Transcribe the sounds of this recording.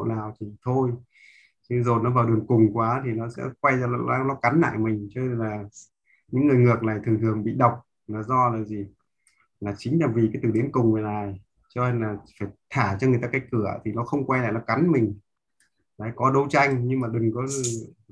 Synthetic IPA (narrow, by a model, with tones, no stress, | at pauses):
naː˨˩wt̪ʰi˨˩t̪ʰo˧j | t͡ɕɨ˧zo˨˩nɔ˨˦vaː˨˩wɗɨ˨˩əŋkʊ˨˩ŋ͡mkwaː˨˦t̪ʰi˨˩nɔ˨˦sɛ̰˧˥kwa˧jaː˧˨˧nɔ˨˦ka˨˦nla̰ː˧˨jmï˨˩ŋ̟t͡ɕɔ˧ne˧nlaː˨˩ | ɲɨ̰˧˥ŋːɨ˨˩əjŋɨ˨˩ək̚na˨˩jt̪ʰɨ˨˩ŋt̪ʰɨ˨˩əŋɓḭ˧˨ɗə˨˩wk͡p̚ | laː˨˩zɔ˧laː˨˩zi˨˩ | laː˨˩t͡ɕï˨˦ŋ̟laː˨˩vi˨˩kaː˨˦jt̪ɨ˨˩ɗi˨˦ənkʊ˨˩ŋ͡mve˨˩naː˨˩j | t͡ɕɔ˧ne˧nlaː˨˩faː˧˩jt̪ʰaː˧˩t͡ɕɔ˧ŋɨ˨˩jt̪aː˧ka˥jk̚kːɨ˧˩ə̰˨˩t̪ʰi˨˩nɔ˨˦xə˧wŋ͡mkwa˧jla̰ː˧˨jnɔ˨˦ka˨˦nmï˨˩ŋ̟ | la̰ː˧˥˦jkɔ˨˦ɗə˨˧wt͡ɕa˧jŋ̟ɲɨ˧ŋmaː˨˩ɗɨ˨˩ŋkɔ˨˦˧